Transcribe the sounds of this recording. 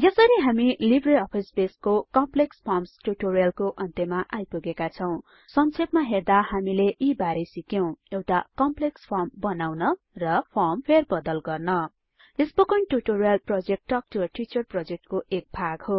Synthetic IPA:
jʌsʌɾiɦamilibreʌpʰisbeskokʌmplekspʰʌrmsʈuʈoɾijʌlkoʔʌnt̪emaʔajpuɡekat͡sʰʌw̃ | sʌnt͡sʰep̚maɦerd̪ahamileʔibaɾesikjew̃ewʈakʌmplekspʰʌrmbʌnawnʌ | rʌpʰʌrmpʰerbʌd̪ʌlɡʌrnʌ | espʌkʌnʈuʈoɾijʌlprʌd͡zek̚ʈːʌk̚rʌʈit͡sʌrprʌd͡zek̚ʈkoʔek̚bʱaɡɦo

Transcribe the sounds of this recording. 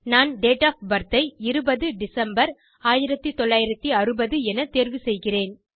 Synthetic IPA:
naːnɖeːʈaːfbɐɾt̪ːɐɪɪɾɯbɐðɯɖɪsɐmbɐɾ | aːjɪɾɐt̪ːɯt̪ɔɭːaːjɪɾɐt̪ːiɐɾɯbɐðɯɛnɐt̪eːɾʋɯsɛjɣɪreːn

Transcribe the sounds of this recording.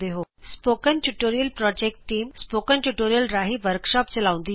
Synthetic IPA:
d̪eɦoːspoːkənʈuʈoːɾijəlpɾɔːd͡ʑeːk̚ʈːiːmspoːkənʈuʈoːɾijəlɾaːɦiʋəɾkʃɔːpt͡ɕɐlaːʋũnd̪i

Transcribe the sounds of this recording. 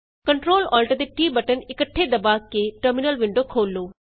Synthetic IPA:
kəɳʈɾoːlɔːlʈəd̪eːʈiːbəʈənɪkəʈʰːeːd̪əbaːkeːʈəɾmɪnəlʋɪɳɖoːkʰoːlːoː

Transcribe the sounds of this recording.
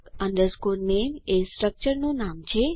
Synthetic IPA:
ə̃nɖ̪əɾskuɾnemesʈɾək̚t͡ʃəɾnũnamt͡ʃʰe

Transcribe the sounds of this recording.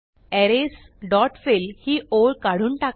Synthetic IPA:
ɛɾes | ɖɔʈfelhiːoɭkaɽ̤uːnʈak

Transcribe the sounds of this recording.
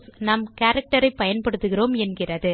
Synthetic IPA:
snɐmkaːɾɐk̚ʈɐɾɐɪpːɐjɐnpɐɽɯt̪ːɯɣɪroːmɛnɡɪrɐðɯ

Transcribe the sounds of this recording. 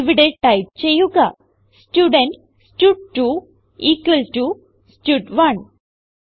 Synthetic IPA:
ʋiɖeɖ̚ʈajp̚t͡ɕejuɡa | sʈuɖeɳʈ | sʈuɖ̚ʈu | iːkʋəlʈu | sʈjuːʈʋɐn

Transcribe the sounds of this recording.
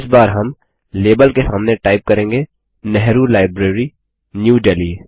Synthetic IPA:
ɪsbaːɾɦɐm | leːbəlkesaːmneʈaːɪp̚kɐɾẽːŋɡe | nɛɦɾulaːɪbɾeːɾi | njuːɖɛːliː

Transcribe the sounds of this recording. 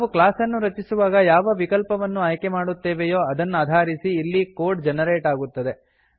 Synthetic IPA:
ʋuklaːsɐnːuɾɐt͡ʃisuʋaːɡɐjaːʋɐʋikɐlpɐʋɐnːuɐːjkemaːɽut̪ːeːʋejo̞ːɐd̪ɐnːaːd̪ʱaːɾisiːlːiko̞ːɾɖd͡ʒɛnɐɾeːʈaːɡut̪ːɐd̪e̞

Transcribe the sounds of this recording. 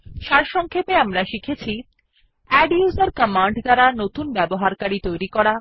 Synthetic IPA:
ʃaɾʃɔŋkʰepeamɾaʃikʰet͡ɕʰi | ɛɖjuzaɾkɔmaɳɖd̪aɾanot̪unbɛboɦaɾkaɾit̪ojɾikɔɾa

